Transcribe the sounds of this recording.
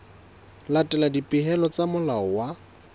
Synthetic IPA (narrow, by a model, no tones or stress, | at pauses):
latʼɛladipʼɪɦɛlɔt͡samʊlaɔwa